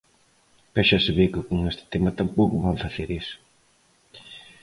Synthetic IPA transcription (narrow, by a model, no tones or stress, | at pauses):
bɛʃaseβekɪkoŋest̪ɪ̥t̪emɐt̪ampowkʊβaɱfaθeɾis